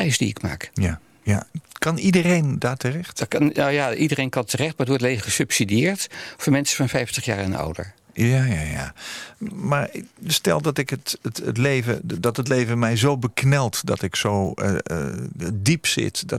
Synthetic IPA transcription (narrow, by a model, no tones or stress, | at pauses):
ɛjsdḭɪkma̰ːkja | jakɑnidərejndaːɹtərɛxtjaidəɾejnkɑntərɛχt̚maɹətʋɔɹtlejvəχəsɵpsidijɪːɹtfɔɹmɛnsəfɑnfɛjftəχja̰ːɹɛnɔ̰wdə̰ɹjaja̰ja̰ | maɹstɛ̰lˠdɔtɪkətətətlejvədɔtət̬lejvəmɛjzowbəknɛlˠtdɔ̰tɪksowəə̰dipsɪ̰tdɔ